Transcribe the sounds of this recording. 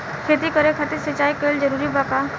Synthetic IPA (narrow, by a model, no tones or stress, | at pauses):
kʰeːt̪ikəɾekʰat̪isət͡ʃaːikeːld͡ʒəɾuːɾibaːka